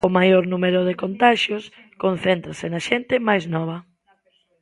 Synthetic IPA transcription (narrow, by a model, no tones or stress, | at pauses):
omajoɾnũmeɾoðekont̪aʃjos | konθent̪ɾasenaʃent̪ɪmajznɔβ̞ɐ